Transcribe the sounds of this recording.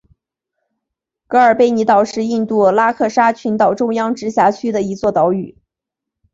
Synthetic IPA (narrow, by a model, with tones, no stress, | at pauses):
kɤ˧˥ə˞˨˩pe˥˩ɪni˧˥t̪ɑ˨˩ʊʂɻ̩˥˧i˥˧nt̪u˥˩la˥kʰɤ˥˩ʂa˥t͡ɕʰy˧˥nt̪ɑ˨˩ʊʈ͡ʂʊ˥ŋjɑ˥ŋʈ͡ʂɻ̩˧˥ɕja˧˥t͡ɕʰy˥d̪ə˨i˧˥t͡swɔ˥˩t̪ɑ˧˥ʊy˨˩˦